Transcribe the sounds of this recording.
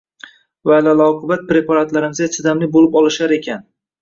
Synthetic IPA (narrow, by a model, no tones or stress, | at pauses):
vaːlalˠɒwqʰɨbat̪̚pɾe̞pʰaɾat̪laɾɪmɪzɡʲat͡ʃ̪ʰɪd̪amlɪbolɪpɒlˠɪʃaɾe̞kʲʰan